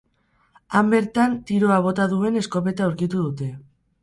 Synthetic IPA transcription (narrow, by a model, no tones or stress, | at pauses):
ambe̞ɾt̪ant̪iɾoaβ̞o̞t̪aðue̞ne̞sko̞βe̞t̪awɾkit̪uð̞ut̪e̞